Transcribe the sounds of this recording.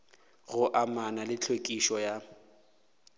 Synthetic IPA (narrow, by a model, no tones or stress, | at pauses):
ɣʊʔamanalɪt͡ɬʰekʼiʃɔja